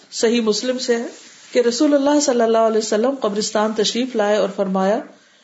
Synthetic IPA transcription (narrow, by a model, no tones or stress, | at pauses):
sɐɦimʊslɪmsekeɾɐsuːlɐlːaːɦsɐlːəlːaːɦʊɐlɛːsɐlːəmqɐbɾɪst̪aːnt̪ɐʃɾiːflaːeɔːɾfɐɾmaːja